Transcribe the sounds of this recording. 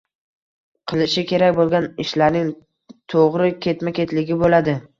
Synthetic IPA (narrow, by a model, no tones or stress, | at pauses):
qʰɨlˠɪʃɪkʲʰe̞ɾak̚ʲbolˠɡʲanɪʃlaɾnɪŋ | t̪ʰoʁɾɪkʲʰe̞t̪makʲe̞t̪lɪɡʲɪbolad̪ɪ